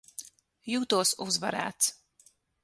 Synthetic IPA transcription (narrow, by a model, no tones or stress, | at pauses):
juːt̪uɔsuzva̰ɾæ̰ːt̪s